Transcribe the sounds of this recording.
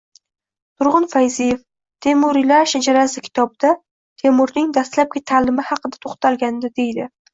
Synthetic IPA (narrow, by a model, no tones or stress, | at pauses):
t̪ʰʊɾʁʊnfajzɪjef | t̪ʰe̞mʊɾilaʃad͡ʒaɾasɪkʲʰɪ̥t̪ʰɒbɪd̪̥a | t̪ʰe̞mʊɾnɪŋd̪ast̪lap̚ɡʲat̪ʰalɪmɪhɑqɨd̪ḁt̪ʰoχt̪ʰalɡʲand̪ɪd̪e̞jd̪ɪ